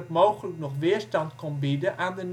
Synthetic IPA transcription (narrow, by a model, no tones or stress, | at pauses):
əkmowχələknɔχʋɪːəɹstɑntkɔnbidəʔaːndən